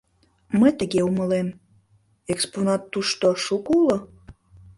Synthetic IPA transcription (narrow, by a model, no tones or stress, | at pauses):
mə̆t̪əɣeumə̆lem | eksponɑt̪ːuʃt̪oʃukulo